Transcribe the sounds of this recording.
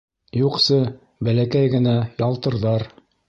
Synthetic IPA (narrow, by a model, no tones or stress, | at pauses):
juqsɤ | bælækæjɡɘ̆næjɑlˠt̪ɤ̆ɾðɑɾ